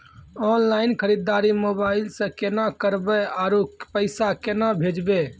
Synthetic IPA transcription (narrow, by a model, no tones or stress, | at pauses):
ɔnlaɪnkʰəɾid̪ːaɾimoːbaɪlsẽkenakəɾbɛaɾopəɪsakenabʱed͡ʒbe